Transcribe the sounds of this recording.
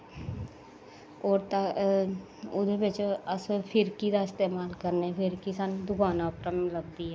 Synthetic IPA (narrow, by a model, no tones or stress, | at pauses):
oːɾt̪a | ʊd̪ʱebet͡ʃoəspʰɪɾkiɾaɪst̪eːmaːlkəɾnepʰɪɾkɪsaːnd̪ʊkaːnaʊpɾəmləb̚d̪iɦɛ